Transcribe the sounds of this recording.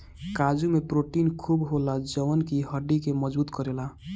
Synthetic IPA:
kad͡ʒumepɾoʈinkʰubɦolad͡ʒəwənkiɦəɖikeməd͡ʒbuːt̪kəɾela

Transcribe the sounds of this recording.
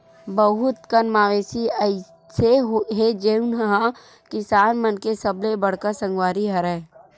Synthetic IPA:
bəɦʊt̪kənmaːʋeːsiəɪ | seɦɦed͡ʒenəɦã | kɪsaːnmənkesəblebɐɽ̤kəɾsə̃ŋɡwaːɾiɦɐɾɛ̃ː

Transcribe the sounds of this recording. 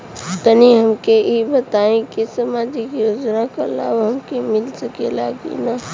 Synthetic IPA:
t̪əniɦəmkeibət̪aẽkisəmaːd͡ʒikjoːd͡ʒnakala̰ːbɦəmkemɪlsəkelaɡḭna

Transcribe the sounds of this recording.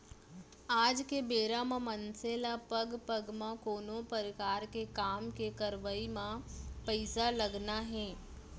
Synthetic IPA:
aːd͡ʒkebeːɾamãmɐnseːlapɐɡpɐɡmãkoːnopəɾɪkaːɾkekaːmkekɐɾʋaimãpəɪsalɐɡnaɦɛ̃ː

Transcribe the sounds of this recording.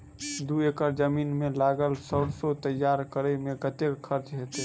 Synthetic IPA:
d̪uekəɾd͡ʒəminmelaɡəlsəɽsot̪əjːaɾkəɾəmekət̪ekkʰːəɾt͡ʃɦet̪e

